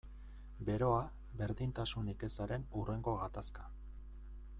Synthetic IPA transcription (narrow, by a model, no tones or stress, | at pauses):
be̞ɾo̞a | βe̞ɾðint̪asunike̞saɾe̞nure̞ŋɡo̞ɣat̪askḁ